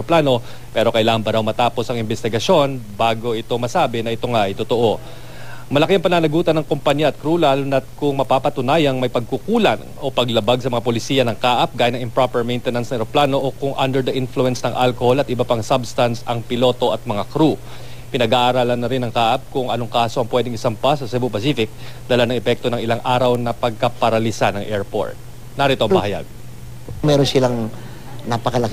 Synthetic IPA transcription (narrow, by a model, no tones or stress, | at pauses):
oplaːno̞ | pɛɾo̞kɐʔɪlaːŋɐnbɐɾawmɐt̪aːpo̞sɐŋɪmbɛst̪ɪɡɐʃo̞nbaːɡo̞ʔɪt̪o̞mɐsaːbɛnɐɪt̪o̞ŋaʔɐjt̪ot̪o̞ʔo̞ | mɐlɐkɪɐŋpɐnaːnɐɡuːt̪ɐnɐŋkompɐɲjaɐt̪̚kɾuːlalnɐt̪̚kʊŋmɐpapɐt̪ʊnaːjɐŋmɐjpɐɡ̚kukuːlɐ̰n | o̞pɐɡlɐbaɡ̚sɐmɐŋapolɪsiːjɐnɐŋkaːʔɐp̚ɡaːjɐnɐŋɪmpɹopɛɹmɛjnt̪ɛnɐnsnɐɛɾoplaːno̞ʔokʊŋʔɐ̰nd̪ɛɹd̪ɐʔɪnfluɛnsnɐŋʔalkoholɐt̪ɪbɐpɐŋsabst̪ɐnsʔɐŋpɪlo̞ːt̪o̞ʔɐt̪̚mɐŋakɾu | pɪnɐɡaːʔaɾaːlɐnːɐɾɪnɐŋkaːʔɐp̚kʊŋɐnoŋkaːso̞ʔɐŋpwɛd̪ɪŋɪsɐmpasɐsɛbʊpɐsiːfɪk̚d̪ɐlanɐŋɛpɛk̚t̪o̞nɐŋɪlaŋʔaːɾɐwnɐpɐɡ̚kɐpɐɾɐlisanɐŋʔɛɹpo̰ɹt̪̚ | naɾit̪oɐmbɐhɐja̰ɡ̚ | mɛɾonsɪlaŋ | napɐkɐlɐk